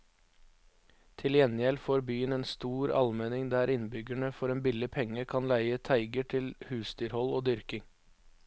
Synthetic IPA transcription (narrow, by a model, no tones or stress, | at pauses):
t̪ʰɪljɛnjɛlfoːɾbyːəneːnst̪uːɾɑ̰lmɛnɪŋd̪æːɾɪnbʏɡəɳəfɔɾeːnbɪləpʰɛŋəkʰɑnlæɪət̪ʰæɪɡəʈʰɪlhʉːsd̪yːɾhɔloːd̪ʏɾkɪŋ